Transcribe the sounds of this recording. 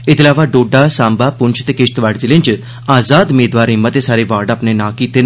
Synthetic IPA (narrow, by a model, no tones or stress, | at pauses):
ɪt̪laːʋaɖoːɖasãːmbapʊnt͡ʃʰt̪ekɪʃt̪ʋaɽzilẽnt͡ʃ | aːzaːd̪umeːd̪ʋaːɾɦɪmːət̪esaːɾeʋaːɾɖaːpnenaːkit̪e